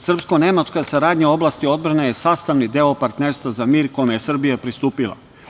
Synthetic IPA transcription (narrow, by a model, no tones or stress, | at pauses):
sr̩psko̞ne̞mat͡ʃkasaɾaːd̪ɲao̞blaːst̪io̞d̪̚bɾanejesaːst̪aʋnid̪e̞opaɾt̪neɾst̪ʋazamiːɾko̞jmejesr̩bijapɾist̪uːpilˠa̰